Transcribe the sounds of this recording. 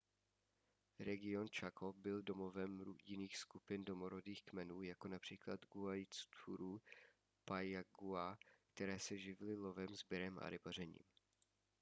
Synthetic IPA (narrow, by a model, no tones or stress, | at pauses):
ɾɛɡɪo̞nt͡ʃakobɪldo̞movɛmɾujɪniːxskupɪndo̞moɾodiːxkmɛnuːjako̞napr̝̥iːklad̪ɡuajt͡st̪ʰuɾu | pajaɡuakt̪ɛɾɛːsɛʒɪvlɪlo̞vɛmzbɪɾɛmʔa̰ɾɪbar̝ɛɲḭːm